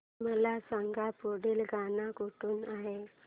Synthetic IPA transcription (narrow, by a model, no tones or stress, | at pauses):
məlasaŋɡapoɽiːlɡʱanakoʈʰuːnaɦe